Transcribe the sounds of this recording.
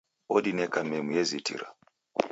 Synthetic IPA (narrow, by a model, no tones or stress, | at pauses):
ɔɗinɛkamɛmujɛzitḭɾa̰